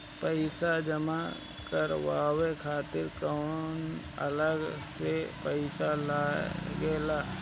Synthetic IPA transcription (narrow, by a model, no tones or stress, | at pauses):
pəɪsad͡ʒəma | kəɾʋaːwekʰaːt̪ɪɾkaʊn | ə̰ləɡsepəɪsalaːɡeːlaː